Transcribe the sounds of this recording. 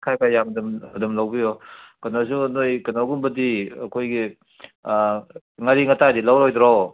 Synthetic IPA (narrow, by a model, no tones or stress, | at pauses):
kʰajkajamdumɐdumlawbijɔkɐnazunojkɐnaɡumbɐdiɐkʰojɡi | ŋɐɾiŋɐtadilawɾojdɾɔw